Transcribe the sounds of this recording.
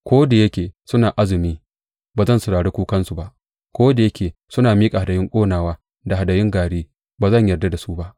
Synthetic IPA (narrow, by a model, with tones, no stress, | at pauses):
kʷoː˦da˨jɐ˦kʲeː˨sʊ˦naː˨ʔa˦zɪ˨miː˦ | baː˨zɐ˦nsʊ˨ɽaː˨ɽeː˦kʷuː˦kɐ˦nsu˨ba˦ʔ | kʷoː˦da˨jɐ˦kʲeː˨sʊ˦naː˨miː˦kʼa˨ha˨dɐ˨jɪ˦ŋkʷʼoː˦naː˨waː˦ | da˨a˨da˨jɪ˦ŋɡaː˨ɽeː˦ | baː˨zɐ˦˨ɲjɐ˨rda˦da˨su˦ba˦ʔ